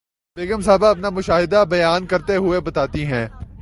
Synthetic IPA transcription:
beːɡəmsaːbaɐpnamʊʃaːɦɪd̪abɐjaːnkɐɾt̪eɦʊebɐt̪aːt̪iɦɛ̃ː

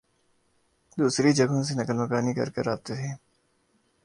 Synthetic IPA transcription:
d̪uːsɾid͡ʒəɡõsenɐkəlməkaːnikɐ̰ɾkḛɾaːb̚t̪et̪ʰeː

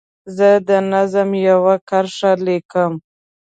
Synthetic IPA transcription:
zəd̪ənazəmjawakaɾʂalekəm

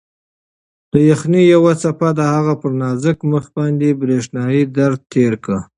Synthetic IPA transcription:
d̪̥əjaxnijawat͡sapad̪əhaɣapəɾnɑzəkməxbɑnd̪ebɾeʂnɑjid̪aɾd̪̚t̪ʰeɾkə

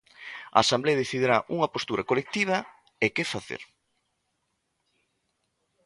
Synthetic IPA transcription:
a̰asambleaðeθiðiɾaʔuŋɐpost̪uɾɐkolek̚t̪iβ̞ɐ | ekefaθḛɾ

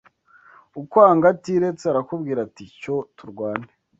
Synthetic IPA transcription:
ukwaːŋɡatiːɾe̞t͡seaɾakubɡiːɾaticotuɾɡwaːne

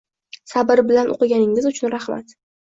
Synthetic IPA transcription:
sabɪɾbɪlanʔo̰qɨɡʲanɪŋʲɪzʊt͡ʃʰʊnɾaχma̰t̪

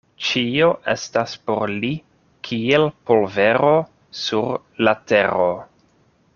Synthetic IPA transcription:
t͡ʃio̞ʔe̞̰staspo̞ɾli | kʰielpo̞lve̞ɾo̞ | suɾ | late̞ɾo

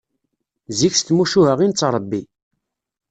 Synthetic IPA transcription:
zikst̪muʃuɦəʁint͡sːɾˤəbːi

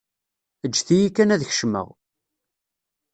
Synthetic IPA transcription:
əd͡ʒːθijikːænæðçʃmə̰ʁ

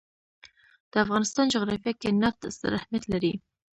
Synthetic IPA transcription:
d̪̥əafɣɑnɪst̪ɑnd͡ʒʊɣɾɑfjakenaft̪sə̰ɾahmjat̪laɾi

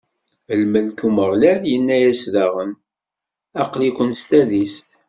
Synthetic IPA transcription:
əlməlkuməʁlæljənːæjæsðæʁən | ɑqlikʷənst̪æðist̪

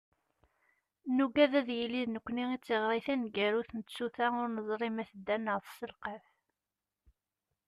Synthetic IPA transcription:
nuɡæðæðjəlːiðnəkʷːniit͡sːeʁɾˤiθænɡæɾuθənət͡sːuθæʊɾnəzˤɾˤimæθəd̪ːænəʁθəsːəlqəf

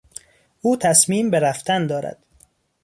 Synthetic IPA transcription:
ʔuːt̪ʰæsmiːmbeɾæft̪ʰænd̪ɒːɾæ̰d̪̥

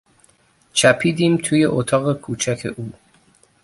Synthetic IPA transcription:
t͡ʃʰæpʰiːd̪iːmt̪ʰuːje̞ʔot̪ʰɒːɣekʰuːt͡ʃʰækʰe̞ʔuː

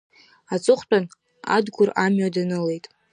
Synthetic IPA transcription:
at͡sʼɨχʷt͡pʼan | a̰dɡʷʊramɥadanɨle̞jtʼ

